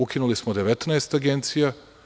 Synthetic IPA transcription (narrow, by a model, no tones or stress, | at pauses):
ukʲinulismod̪eʋet̪naest̪aɡent̪sija